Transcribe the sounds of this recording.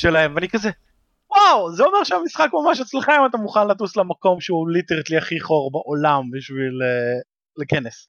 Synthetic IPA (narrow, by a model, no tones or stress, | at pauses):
ʃelahemveanikazɛ | wawzeo̞me̞ʁʃɛamisχakmamaʃat͡slaχemat̬amuχanlatuslamako̞mʃeuliteʁt̪liaχiχo̞ʁbaʔolambiʃvileː | eke̞nes